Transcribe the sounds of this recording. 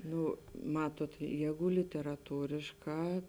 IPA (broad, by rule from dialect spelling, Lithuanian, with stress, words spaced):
ˈnʊ ˈmɑːtuɔt ˈjɛːɡʊ lʲɪtʲɛrɐˈtuːrʲɪʃˌkɑː